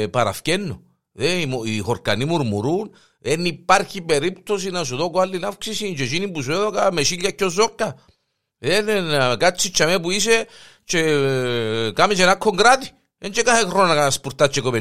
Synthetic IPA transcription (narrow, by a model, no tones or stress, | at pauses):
paɾa̰fkenːo | ðeimoixoɾkanimuɾmuɾun | enːipːaɾxipeɾipt̪os̬inas̬uðokwalːinafksisint͡ʃeʃ̬inipus̬eðokameʃiʎːjakːjoz̬okːa | ðenenakat͡ʃːit͡ʃːamepuis̬e | t͡ʃe | kamit͡ʃenakʰːoŋɡɾat̪i̥ | ent͡ʃekahekronakaspuɾt̪at͡ʃːekoβe